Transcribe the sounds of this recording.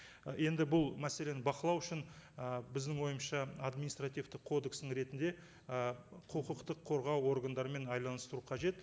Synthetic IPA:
je̞nd̪ɪbʊlˠmæse̞le̞nɪbɑqəlˠɑwʏʃɪnəbɪzd̪ɪŋwo̞jəmʃɑad̪minist̪rat̪ijvt̪ɪqʰo̞d̪e̞ksɪŋɾe̞t̪ɪnd̪e̞ | əqʰəqəqt̪əqʰːo̞ɾʁɑwo̞ɾɡand̪ɑɾəme̞nɑjlˠɑnəst̪əɾuqʰɑʒe̞t̪

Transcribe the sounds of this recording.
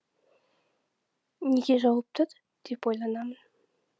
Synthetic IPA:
nʲeɡʲeʒɑwəp̚t̪ʰəd̪ | d̪̥epojlˠɑnɑmən

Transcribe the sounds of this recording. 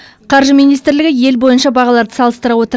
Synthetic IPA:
qʰɑɾʒəmijnijst̪ɪɾlɪɡʲɪje̞lbo̞jənʃɑbɑʁɑlˠɑɾd̪əsɑlˠəst̪əɾɑwo̞t̪əɾ

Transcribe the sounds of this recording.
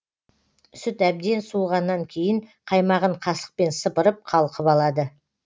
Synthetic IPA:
sʏt̪æb̚d̪e̞nsuʁɑnːɑŋkʲʰe̞jɪɴqʰɑjmɑʁəɴqʰɑsə̥q̚pe̞nsəpəɾəp̚qʰɑlˠqʰəpɑlˠɑd̪ə

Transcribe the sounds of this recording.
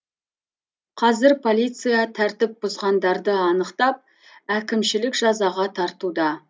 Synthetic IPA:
qʰɑzɪɾpʰo̞lˠijt̪sɨjɑt̪ʰæɾt̪ɪp̚bʊzʁɑnd̪ɑɾd̪əɑnəqt̪ɑp̚ | ækʲɪmʃɪlɪkʒ̥ɑzɑʁɑt̪ʰɑɾt̪ud̪ɑ

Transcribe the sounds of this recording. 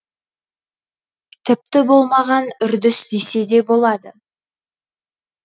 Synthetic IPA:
t̪ʰɪp̚t̪ɪbo̞lˠmɑʁɑnʏɾd̪ɪsd̪e̞se̞d̪e̞bo̞lˠɑd̪ə

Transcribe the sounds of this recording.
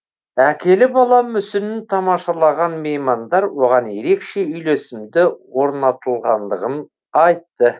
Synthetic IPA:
ækʲʰe̞lɪbɑlˠɑmʏsɪnɪnt̪ʰɑmɑʃɑlˠɑʁɑnme̞jmɑnd̪ɑɾwo̞ʁɑnje̞ɾe̞kʃe̞ʏjle̞sɪmd̪ɪwo̞ɾnɑt̪əlˠʁɑnd̪əʁən | ɑjt̪ːə

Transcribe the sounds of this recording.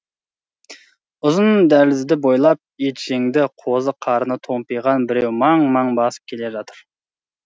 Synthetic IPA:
ʊzənd̪ælɪzd̪ɪbo̞jlˠɑp̚et̪ʃeŋd̪ɪqʰo̞zəqʰɑɾənət̪ʰo̞mpijʁɑnbɪɾewmɑɴmɑɴbɑsə̥p̚kʲʰe̞le̞ʒɑt̪əɾ

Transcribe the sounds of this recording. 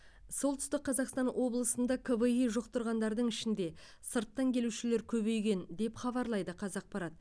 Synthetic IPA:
so̞lˠt̪ʰʏst̪ɪk̚qʰːɑzɑqst̪ɑnwʔo̞blˠəsənd̪ɑkʰəvəiʒoqt̪əɾʁɑnd̪ɑɾd̪əɴɪʃɪnd̪e̞ | səɾt̪ːɑŋkʲʰe̞luʃɪle̞ɾkʲʰɵβe̞jɡʲe̞nd̪e̞pχɑβɑɾlˠɑjd̪əqʰɑzɑq̚pɑɾɑt̪

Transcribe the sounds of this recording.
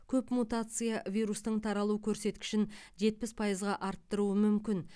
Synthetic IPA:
kʲʰɵpmut̪at̪sɨjavʲijɾust̪əɴt̪ʰɑɾɑlˠukʲʰɵɾse̞t̪kʲɪ̥ʃɪnʒe̞t̪̚pɪspʰɑjəzʁɑʔɑɾt̪ːəɾuəmʏmkʲɪn

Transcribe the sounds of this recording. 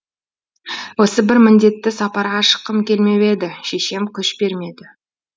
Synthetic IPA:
wo̞səbɪɾmɪnd̪e̞t̪ːɪsɑpɑɾʁɑʃə̥qːəmkʲʰe̞lme̞we̞d̪ɪʃe̞ʃe̞mkʲʰʏʃbe̞ɾme̞d̪ɪ

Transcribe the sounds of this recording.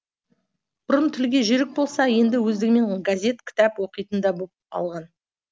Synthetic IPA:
b̥ʊɾəmt̪ʰʏlɡʲe̞ʒɪɾɪk̚bo̞lˠsɑje̞nd̪ɪwɵzd̪ɪɡʲɪme̞ŋɡazʲe̞t̪kʲʰɪ̥t̪ɑpwo̞qəjt̪ənd̪ɑbopɑ̰lˠʁɑn

